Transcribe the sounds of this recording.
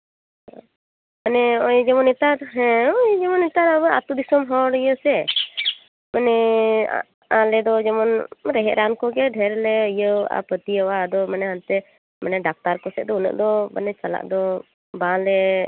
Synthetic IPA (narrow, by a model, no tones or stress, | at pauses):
manɛɔjd͡ʒɛmɔnɛt̪aɾɦɛ̃ɔjd͡ʒɛmɔnit̪aɾabəat̪ud̪isɔmɦɔɽijəsɛ | manɛ̰ | ãlɛd̪ɔd͡ʒɛmɔnɾɛɦɛʔɾankɔɡɛɖʱɛɾlɛijəa̰pət̪iəwad̪ɔmanɛɦant̪ɛ | manɛɖak̚t̪aɾkɔsɛt̪̚d̪ɔunə̰ʔd̪ɔma̰nɛt͡ʃala̰ʔd̪ɔ | bãlɛ